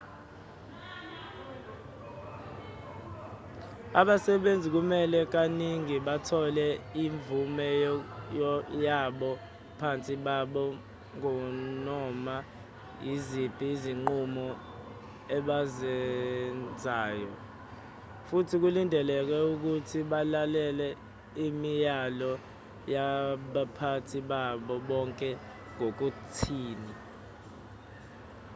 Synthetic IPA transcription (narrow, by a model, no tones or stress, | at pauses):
aɓasɛɓend͡zʱik̬umɛlɛk̬aniŋiɓatʰɔlɛiɱvumɛ | jaɓɔ | pʰant͡sʼiɓaɓɔ | ŋɔnɔma | jizib̥ʱʼiːziŋ͡ǃumɔ | ɛɓazɛnd͡zʱaːjɔ | futʰik̬ulindʱɛlɛk̬wɛuk̬utʰiɓalalɛlɛ | imijalɔ | jaɓapʰatʰiɓaɓɔɓɔŋkʼɛ | ŋok̬utʰiːni